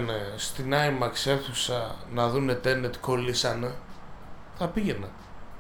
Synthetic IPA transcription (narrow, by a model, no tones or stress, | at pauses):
nest̪inɐimɐkseθusɐnɐðunet̪enet̪i̥ko̞lisɐne | θɐpiʝe̞nɐ